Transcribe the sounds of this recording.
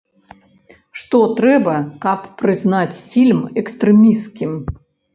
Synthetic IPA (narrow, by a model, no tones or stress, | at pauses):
ʂt̪ɔt̪ɾɛbɐkɐpːɾɨznat͡sʲfʲilʲmɛkst̪ɾɛmʲiskʲim